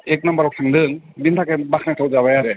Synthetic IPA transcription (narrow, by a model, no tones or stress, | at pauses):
ek̚nambaɾɔk̚sʰaŋdɯŋ | bintʰakebakʰnak̚tʰawzaβajaɾɛ